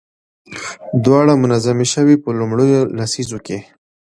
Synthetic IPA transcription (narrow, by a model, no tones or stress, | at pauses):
d̪wɑɽamʊnazameʃəwipəlʊmɽəjolasizoke